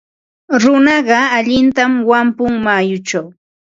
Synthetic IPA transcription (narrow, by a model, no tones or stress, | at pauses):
ɾʊnɑɢɑaʎɪnt̪amwampʊŋmajʊt͡ʃaw